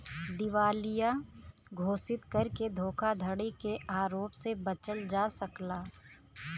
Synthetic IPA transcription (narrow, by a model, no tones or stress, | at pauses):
d̪ɪʋaːlɪja | ɡʱoːsɪt̪kəɾked̪ʱoːkʰad̪ʱəɽikeʔaːɾoːpsebət͡ʃəld͡ʒaːsəklaː